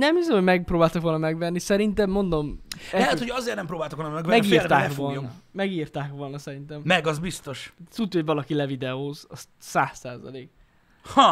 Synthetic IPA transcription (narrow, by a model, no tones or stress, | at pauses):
nɛmizɛmhoɟmɛɡ̚proːbaːlt̪ɒkʋo̞lnɒmɛɡʋɛnːisɛɾint̪ɛmːo̞nd̪o̞mɛlɛɛt̪hojɒzeːrnɛmpɾoːbaːlt̪okʋolnmɛɡvmɛɡirt̪aːkʋolmɛɡiːrt̪aːkʋo̞lnɒsɛɾint̪ɛmmɛɡɒzbist̪o̞ʃsut̪ːhoɟvɒlɒkilɛvid̪ɛoːzɒs | saːsːaːzɒ̰leːk | hɔ